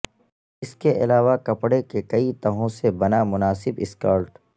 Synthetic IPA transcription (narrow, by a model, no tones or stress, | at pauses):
ɪskeʔɪlaːʋakɐpɽekekɐit̪ɐɦõsebɐnamʊnaːsɪbɪskaːɾʈ